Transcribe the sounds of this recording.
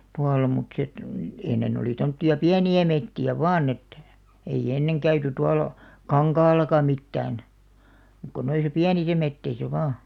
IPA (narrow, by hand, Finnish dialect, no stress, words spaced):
tuɑlːɑ mut sĕ ĕt enːen oliˑ tomtːiɑ piæniæ metːiæ ʋɑːn et ei enːeŋ kæyty tuɑlɑ̆ kɑŋkɑːlːɑkɑ mitːæːn m̆ŭk̆ ko noisɑ piænisæ metːeisæ ʋɑː